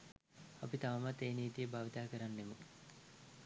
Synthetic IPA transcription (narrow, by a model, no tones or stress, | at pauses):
apit̪aʋamat̪ːeːniːt̪ijəbʱaːʋit̪aːkəɾanːemə